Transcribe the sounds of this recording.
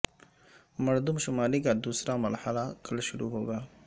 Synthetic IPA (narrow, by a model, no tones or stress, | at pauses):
maɾd̪umʃʊmɑliɡad̪usɾamalħalakʰəlʃʊɾṵɦoɡa